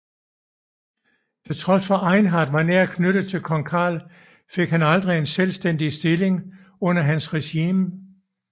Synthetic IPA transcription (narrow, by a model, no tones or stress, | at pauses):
t͡sʰet͡sʰʁɒ̽sfɒʔɑ̈ɪnɦɑd̥ʋɑ̈neɐ̰kʰnøɾ̥ð̩ˠt͡sʰe̝lkʰɒ̽ŋkʰɑ̰̈ːl | fe̝ɡ̥ɦænɑ̈ld̥ʁie̝nselsd̥en̰d̥isd̥e̝leŋ | ɔ̽n̰ɐɦænsʁɛɕiːm